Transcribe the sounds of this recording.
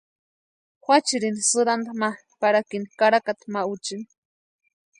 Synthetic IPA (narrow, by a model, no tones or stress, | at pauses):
xʷat͡ʃiɾinisɨɾand̪ama | paɾakinikaɾakat̪maut͡ʃini̥